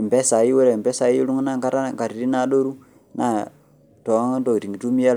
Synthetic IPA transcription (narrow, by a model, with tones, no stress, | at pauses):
m˨pe˦sa˨ji˦we˦ɾe˨m˨be˦sa˨ji˦lu˦ŋ˦na˦ŋka˦ta˦˨ŋka˨ɾi˨ɾi˦na˦˨ɗo˦ɾu˦ | na̰˦˨ | to˨a˦ŋ˦n˦do˦˨i˨ti˨ɡi˨tu˦mi˦ja˦